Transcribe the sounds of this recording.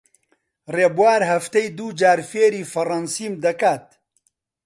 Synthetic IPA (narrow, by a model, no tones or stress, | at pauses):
reːbuwaːɾɦɐft̪ɐjd̪uːd͡ʒaːɾfeːɾiːfɐrɐnsiːmd̪ɐkaːt̪̚